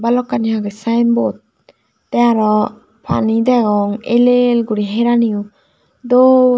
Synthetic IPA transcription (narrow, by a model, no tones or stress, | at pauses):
balɔkːaniɦaɡɯsajnbɔt̪̚ | tɛaɾɔ | pʰa̰nid̪aɡɔŋelelɡuɾiɦeɾaniu | d̪ɔ